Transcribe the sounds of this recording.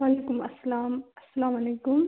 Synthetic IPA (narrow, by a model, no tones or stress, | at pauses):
waːleːkʊmɐsːalaːmɐsːɐlaːmaleːkʊm